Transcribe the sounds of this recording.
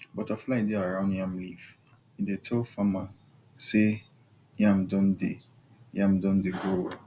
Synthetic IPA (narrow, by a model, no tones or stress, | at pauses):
bɔtʰaflaidɪaɾãʊ̃njãmlif | idetʰolfamã | se | jãmdɔ̃mdḛ | jãmdɔ̃mdɪɡo